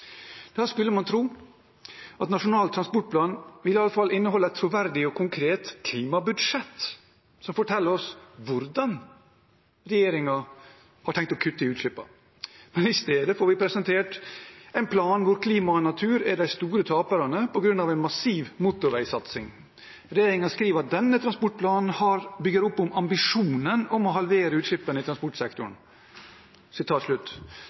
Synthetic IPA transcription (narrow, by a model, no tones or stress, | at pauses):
d̪̥ɛæːɾskʉlːəmɑnt̪ʰɾuː | ɑt̪nɑʂʊnɑːlt̪ʰːɾɑnspɔʈ̚pʰlɑːnʋɪlːɪɑlːəfɑlːɪnːəhɔlːəɛt̪ʰːɾʊʋæɾd̪ɪɔkʰʊŋkʰɾeːt̪kʰliːmɑbʉd̪ʂɛt̪ː | sɔmfɔʈʰɛlːəɾɔsʋʊɾd̪ɑn | ɾɛjeːɾɪŋɑ | hɑʈʰɛŋk̚t̪ɔkʰʉt̪ːəɪʉːt̪ɭɪpːɑ̰ | mɛnɪst̪eːd̪əfoːɾʋɪpʰɾɛsɛnt̪ʰeːʈɛɪnpʰlɑːnʋʊɾkʰliːmɑnɑt̪ʰʉːɾæɖæɪst̪uːɾət̪ʰɑːpəɾɑnəpʰɔɡɾʉnːɑʋɛɪnmɑsiːʋmuːt̪ʊɾʋæɪsɑt̪sɪŋ | ɾɛjeːɾɪŋɑskɾiːʋəɾɑt̪̚d̪ɛnːət̪ʰɾɑnspɔʈ̚pʰlɑːnn̩hɑɾbʏɡəɾʊpːʊmɑmbɪʂuːnənɔmɔɦɑlʋeːɾəʉːt̪ʂɪpːənəɪt̪ʰɾɑnspɔʈsɛkt̪ʊɳ | sɪt̪ʰɑːt̪ʂlʉt̪ː